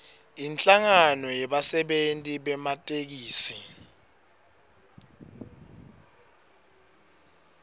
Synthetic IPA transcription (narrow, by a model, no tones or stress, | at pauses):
int͡ɬʼaŋanɔjɛɓasɛɓentʼiɓɛmatʼek̬iːsi